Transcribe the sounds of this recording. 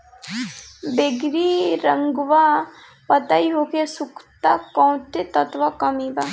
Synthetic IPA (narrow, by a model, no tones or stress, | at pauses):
beɡɾiɾəŋɡʋa | pət̪aiɦokesukʰt̪akɔ̃w̃t̪et̪ɐt̪ʋakəmiba